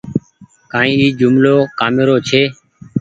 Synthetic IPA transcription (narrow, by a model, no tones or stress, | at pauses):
kãːĩːiːd͡ʒʊmloːkaːmeɾoːt͡ʃʰeː